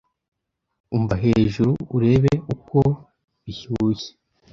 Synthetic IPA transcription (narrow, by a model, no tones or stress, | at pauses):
umvaɦe̞ːʒuɾuuɾe̞ːβeuko̞ | βiçuːje̥